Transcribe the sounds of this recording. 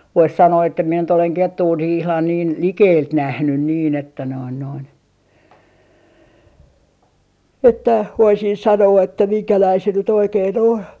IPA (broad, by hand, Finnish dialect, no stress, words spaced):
ʋois sɑnoː etːæ mie nyt oleŋ ketːuː niː ihlɑn niːn likeːlt næhnyn niːn etːæ noin noin etːæ ʋoisin sɑnoː etːæ miŋkælæi se nyt oikein on